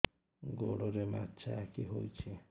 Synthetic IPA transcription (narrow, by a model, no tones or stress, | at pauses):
ɡoɽɔɾema̰tːt͡ʃʰaɛkiɦojt͡ʃʰi